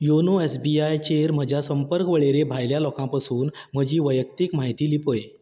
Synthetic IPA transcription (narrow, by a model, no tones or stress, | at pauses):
jonoesbiajt͡ɕeɾm̤əd͡ʑʱjasəmpəɾkʋəɭeɾebʱajljalɔkãpasuːnm̤əd͡ʑiːʋəjək̚t̪ikm̤aɦit̪iːlipɦoje